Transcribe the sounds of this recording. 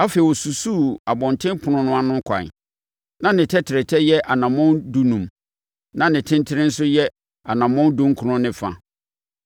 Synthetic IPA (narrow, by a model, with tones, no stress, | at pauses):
a˦fe˨i˨wɔ˨su˨su˦a˨bɔ̃˨ntʰɪ̃˦pʰʊ˨nʊ̃˨nʊ̃˦a˦nʊ̃˦kʷʰa̰˨n̰˨ | nã˦nɪ̃˨tʰɛ˦tʰɪ˨ɾɪ˨tʰɛ˦jɛ˦ʔa˨nã˨mɔ̃˦ndu˦nũ˨m | nã˦nɪ̃˨tʰɪ̃˦ntʰɪ˦ɾɪ̃˦n̩˦sʊ˦jɛ˦ | a˨nã˨mɔ̃˦n˦dũ˦ŋ̩˦kʰʊ˨ɾʊ̃˦nɪ̃˦fa̰˨